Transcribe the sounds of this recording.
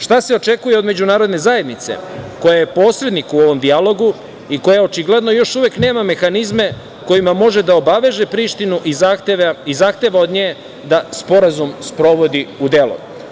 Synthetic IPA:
ʃt̪ase̞o̞t͡ʃe̞kujeo̞d̪me̞d͡ʑunaːɾo̞d̪ne̞zaje̞d̪nit̪se̞̰kojajepo̞ːsɾe̞d̪nikuo̞ʋo̞md̪ialo̞ɡu | iko̞jao̞t͡ʃiɡle̞d̪no̞jo̞ʃuʋe̞kne̞ːmame̞xanizme̞ | ko̞jimamo̞ʒe̞d̪aobaʋe̞ʒepɾiːʃt̪inuʔiaizaxt̪eːʋao̞d̪ɲeː | d̪aspo̞ɾazumspɾo̞ʋo̞d̪iud̪e̞lo̰

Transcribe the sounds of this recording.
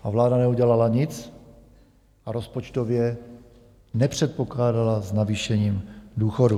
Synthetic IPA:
ʔavlaːdanɛuɟɛlalaɲɪt͡s | ʔaɾospot͡ʃt̪ovjɛ | nɛpr̝̥ɛt̪̚poklaːdalaznaviːʃɛɲiːmduːxodu

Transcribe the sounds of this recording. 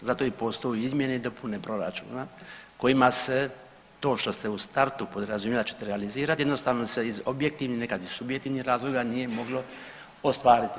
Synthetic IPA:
zat̪o̞ipo̞st̪o̞juizmjened̪o̞pʰune̞pɾo̞ɾa̰t͡ʃṵːnako̞jimase | t̪o̞ːʃt̪o̞st̪eust̪aɾt̪upo̞d̪ɾazumjelit͡ʃe̥t̪eɾealiziːɾat̪jed̪no̞st̪aːʋno̞seizobjek̚t̪iʋninekad̪isubjek̚t̪iʋnixɾaːzlo̞ɡanije̞mo̞ɡlo̞ | ost̪ʋaːɾit̪

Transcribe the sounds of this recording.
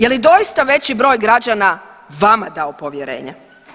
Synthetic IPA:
jelid̪o̞jist̪aʋe̞t͡ɕibɾo̞ːjɡɾad͡ʑanaʋamad̪aopo̞ʋjeɾe̞̰ːɲḛ

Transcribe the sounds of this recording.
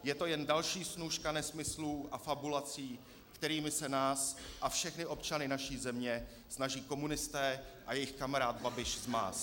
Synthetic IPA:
jɛt̪o̞jɛndalʃiːsnuʃkanɛsmɪsluʔafabulat͡siː | kt̪ɛɾiːmɪsɛnaːsʔafʃɛxnɪʔo̞pt͡ʃanɪnaʃiːzɛmɲɛ | snaʒiːko̞munɪst̪ɛːʔajɛjɪxkamaɾaːd̪̚babɪʃzma̰ːs

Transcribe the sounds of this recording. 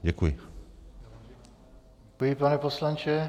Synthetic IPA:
ɟɛkujɪ | kujipanɛposlant͡ʃɛ

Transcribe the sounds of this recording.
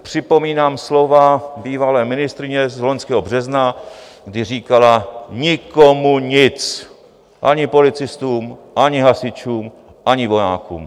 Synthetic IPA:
pr̝̥ɪpo̞miːnaːmslo̞vabiːvalɛːmɪnɪst̪ɾɪɲɛzlo̞ɲskɛːɦobr̝ɛznaɡdɪr̝iːkalaɲɪkomuɲɪt͡s | ʔaɲɪpo̞lɪt͡sɪst̪uːmʔaɲɪɦasɪt͡ʃuːm | ʔaɲɪvo̞ja̰ːkṵːm

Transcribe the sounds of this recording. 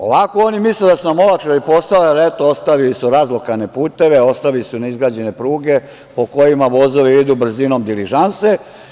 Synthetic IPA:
o̞̰ʋakoonimisled̪asunamo̞lakʃeipo̞salalet̪oost̪aʋilisuɾaːzlˠokane̞puːt̪e̞ʋe̞o̞st̪aʋilisunaizɡɾaːd͡ʑe̞ne̞pɾuːɡe̞ | po̞ko̞jimaʋo̞zo̞ʋiid̪ubr̩zinomd̪iliʒanse

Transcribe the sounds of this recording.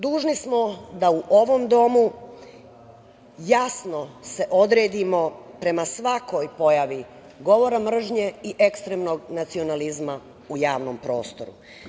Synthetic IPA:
d̪uːʒnismo̞d̪auʔo̞ʋo̞md̪o̞mu | jasno̞se̞ʔo̞d̪ɾeːd̪imo̞pɾe̞masʋako̞jpo̞jaʋi | ɡo̞ʋo̞ɾamr̩ʒɲe̞iʔekst̪ɾemno̞ɡnat̪sio̞nalizma | ujaːʋno̞mpɾo̞̰ːst̪o̞ɾṵ

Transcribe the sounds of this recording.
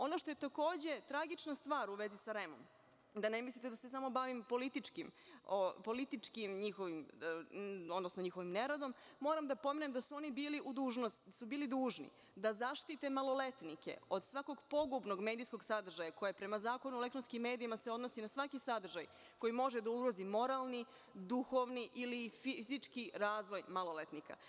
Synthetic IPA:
o̞no̞ʃt̪o̞jet̪ako̞ːd͡ʑe̞t̪ɾaɡit͡ʃnast̪ʋaːɾuʋezisaɾemo̰m | d̪anemislit̪ed̪asesamo̞baʋimpo̞lit̪it͡ʂkimopo̞lit̪it͡ʃkimɲixo̞ʋim | od̪nosnoɲixo̞ʋimneɾod̪o̞mːo̞ːɾamd̪apo̞menemd̪asuo̞nibiːliʔud̪uːʒnost̪subiːlid̪uːʒnḭ | d̪azaʃt̪it̪e̞malo̞le̞t̪nike̞̰od̪sʋako̞ɡpo̞ɡubno̞ɡme̞ːd̪ijsko̞ɡsad̪r̩ʒajako̞jepɾe̞mazaːko̞nule̞kt̪ɾonskimːe̞ːd̪iimaseo̞d̪nosinasʋakisad̪r̩ʒaj | ko̞jimo̞ʒed̪auɾozimo̞ɾalˠni | d̪uxo̞ʋniʔilifizit͡ʂkiɾaːzʋo̞jmalo̞let̪nika̰

